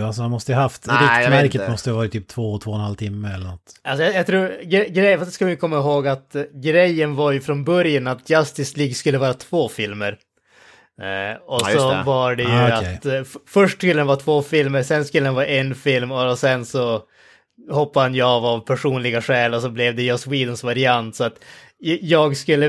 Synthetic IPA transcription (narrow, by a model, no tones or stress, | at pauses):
als̬ɔhanmɔst̪əjɦaft̪ɾɪmæɾkət̪mɔst̪əhavɑːɾat̪ʰyːp̚t̪ʰvoːt̪ʰvoːɛnhalt̪ʰɪmːəɛlːəɾɳɔt̪ːʔalsɔjajat̪ʰɾuːɾɡɛɡɾɛfsd̪skavajkʰɔmːaɪɦoːɡat̪ɡɾɛjːənvaɾjɵfɾɔnbœɾjənat̪̚jast̪ɪsliːɡskɵlːəvɑːɾat̪ʰvoːfɪlməɾ | ɔsɔvaɖɛjɵat̪fœʂʈskɵlːədanvɑːt̪ʰvoːfɪlməɾsɛnskɵlːəhanvɑːɾaɛnfɪlmɔsɛnsɔ | hɔpːahanjvavpʰæʂuːnlɪɡaʂɛːlɔs̬ɔblɛvd̪ɛjɔswiːd̪ɔnsvaɾɪant̪sɔat̪ | jɑːɡskɵlːə